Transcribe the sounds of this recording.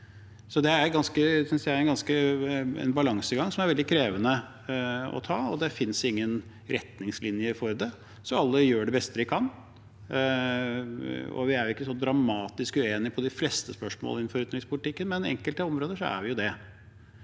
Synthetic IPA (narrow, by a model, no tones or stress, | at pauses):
sɔd̪ɛæɾɡɑnskəsʏnsd̪ææɾɛnɡɑnskəɛ̰nbɑlɑŋsəɡɑŋsɔmæɾʋɛld̪ɪkʰɾeːʋənə | ɔ̰t̪ʰɑːɔd̪ɛfɪnsɪŋːən | ɾɛt̪nɪŋslɪnjəfɔɾd̪ɛ | sɔɑlːəjøːɖɛbɛst̪əʋɪkʰɑn | ɔ̰ʋɪæɾjʊɪkːəsɔd̪ɾɑmɑːt̪ɪskʉeːnɪpʰɔd̪ɪfleːst̪əspœʂmo̰lɪn̩ːfɔɾʉt̪nɪspʊlɪt̪ɪkːənmɛnɛ̰ŋkəlt̪əɔmɾoːd̪əʂɔ̰æ̰ɾʋɪjʊd̪ɛ